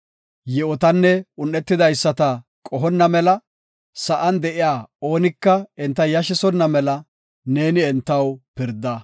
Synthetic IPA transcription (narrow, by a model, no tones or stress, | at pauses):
jɛɔt̪ɐnːɛʊnːɛt̪ːɪd̪ɐjsːɐt̪ɐkʼɔɦɔnːɐmɛlɐ | sɐʔɐnd̪ɛʔɪjaːo̞ːnɪkːɐɛnt̪ːɐjɐʃɪsɔnːɐmɛlɐ | ne̞ːnɪɛnt̪ːɐwpɪɾd̪ːɐ